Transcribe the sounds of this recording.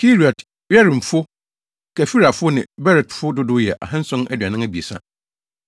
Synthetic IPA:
kʰi˦ɾi˨ɔ˨t | ɥɛ˦ɾɪ̃˨m̩˨fʊ˦ | kʰæ˨fi˦ɾa˨fʊ˦nɪ̃˨bɛ˦ɾɛ˨tfʊ˦dʊ˦dʊ˦jɛ˨ʔa̰˨ɦã˦n̩˦sʊ̃˦nɛ˦dɥa˨nɪ̃˦ŋæ˦bi˨e˨sã̰˦

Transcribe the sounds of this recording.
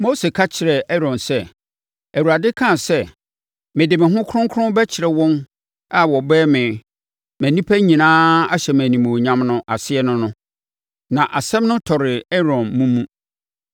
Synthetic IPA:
mo˦se˨kʰa˦t͡ɕʰɪ˨ɾɛ˨ʔɛ˦ɾɔ̃˨nsɛ˦ | æ˨wu˨ɾa˨dɪ˦kʰã˦˨sɛ˦ | mɪ̃˨dɪ˨mɪ̃˨ɦʊ̃˦kʰʊ˦ɾʊ̃˦ŋkʰʊ̃˦bɛ˦t͡ɕʰɪ˨ɾɛ˨wɔ̃˦n | a˦wɔ˨bɛː˦mɪ̃˨ | mæ̃˨nĩ˦pʰæ˦ɲĩ˨nãː˦a˦ɕɛ˨m˨æ̃˨nĩ˨m̃˨ɲã˦mnʊ̃˦ʔa˨sɪ˦ɛ˦nʊ̃˦nʊ̃˦ | nã˨ʔa˨sɛ̃˦mnʊ̃˦tʰɔ˨ɾɪ˨ɛ˦ɾɔ̃˨nmũ˦mũ˦

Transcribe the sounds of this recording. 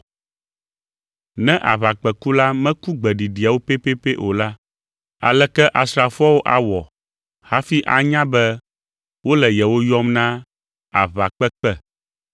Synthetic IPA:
nɛ̃˦ʔa˨βa˨k͡pɛ˨ku˦la˦mɛ̃˦ku˦ɡ͡bɛ˨ɖi˨ɖi˨a˨wo˦pe˦pe˦pe˦ʔo˨la˦ | a̰˨lɛ˦kɛ˦ʔa˨sɾa˨fɔ˦wo˦ʔa˨wɔ˨ | ha˦fi˦ʔa̰˨ɲã˦bɛ˦ | wo˦lɛ˨jɛ˨wo˦jɔ˦mnã˦ | a̰˨βa˨k͡pɛ˦k͡pɛ˦

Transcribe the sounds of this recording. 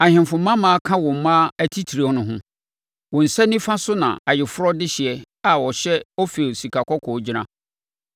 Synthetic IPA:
a˨hɪ̃˨mfʊ̃˨mːã˦mãː˦a˦kʰã˦wɔ̃˨m̩˨˦mã˦æ˨tʰi˦tʰi˨ɾi˨ɔ˦nʊ̃˦ɦʊ̃˦ | wɔ̃˨n̩˨sɛ̃˦nĩ˦fã˦sʊ˦nã̰˨a˨jɪ˨fʊ˦ɾɔ˦dɪ˦ɕɪ˨ɛ˨ | a˨wɔ˨ɕɛ˦ɔ˦fe˨si˨kʰa˨kʰɔ˦kʰɔ˨˦d͡ʑi˦nã˦

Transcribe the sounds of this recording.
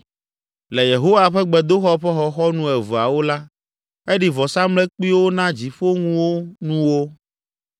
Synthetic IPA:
le˨je˨ɦo˦wa˦ɸɛ˦ɡ͡bɛ˨d̪o˦xɔ˦ɸɛ˦xɔ˨xɔ˦nũ˦ɛ˨vu˨a̰˨wo˦la˦ | e˦ɖi˨vɔ˨sa˦mlɛ˦k͡pi˦wo˦nã˦d͡ʑi˨ɸo˦ŋũ˦wo˦nũ˦wo˦

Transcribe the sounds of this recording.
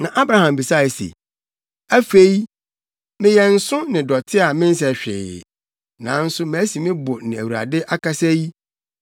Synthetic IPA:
nã˨ʔa˦bɾa˨˦hã˨mbi˨sa˦˨ɪ˨sḛ˨ | æ˦fe˦i˦ | mɪ̃˦jɛ˨n̩˦sʊ̃˦nɪ̃˨dɔ˨tʰɪ˦a˨mɪ̃˦n̩˦s̬ɛ˨ɕᶣɪ̰˨ | nã̰˨˦n̩˦sʊ˦m̃˨˦si˨mɪ̃˦bʊ˨nɪ̃˨æ˨wu˨ɾa̰˨dɪ˦ʔa˦ka˦sɛ˦ji˦

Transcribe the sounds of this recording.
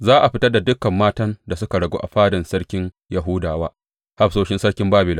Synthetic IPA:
zaː˦ʔa˨ɸɪ˦tɐ˦rda˨dʊ˦kɐ˨mːaː˦tɐ˦nda˨sʊ˦ka˨ɽɐ˨ɡo̰ː˦ʔa˨ɸaː˦dɐ˨nsɐ˦ɽkʲɪ˦ɲ | jɐ˨ɦuː˦daː˨waː˦ | ha˦ɸsoː˦ʃɪ˦nsɐ˦ɽkʲɪ˦mbaː˦bɪ˨la˦˨

